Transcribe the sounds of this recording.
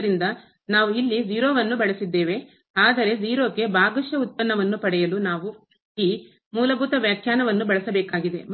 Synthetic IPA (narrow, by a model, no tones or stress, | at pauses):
ɾind̪ɐ | naːʋuilːid͡ʒiːɾoːʋɐnːubɐɭɐsid̪ːeːʋe̞ | aːd̪ɐɾe̞d͡ʒiːɾoːke̞bʱaːɡɐʃjɐut̪̚pɐnːɐʋɐnːupɐɽɛjɐlunaːʋu | iː | muːlɐbʱuːt̪ɐʋjaːkʰjaːnɐʋɐnːubɐɭɐsɐbɛːkaːɡid̪e̞̰m